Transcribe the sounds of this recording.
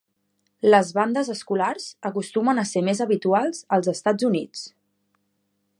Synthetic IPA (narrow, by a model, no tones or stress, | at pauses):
ləzβand̪əzəskularz̥əkust̪umənəsemezəβit̪ualˠzəlˠzəst̪ad͡zunit͡s